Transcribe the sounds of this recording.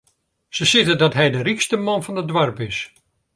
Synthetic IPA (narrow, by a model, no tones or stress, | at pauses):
səsɪtədɔtɦɛjdərikstəmɔnfɔnədʋarpɪs